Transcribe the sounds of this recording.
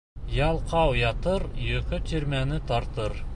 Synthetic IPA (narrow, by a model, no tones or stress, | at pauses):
jɑlˠqʰɑwjɑt̪əɾjɵkʲɪt̪ʰeɾmænɪt̪ʰɑɾt̪əɾ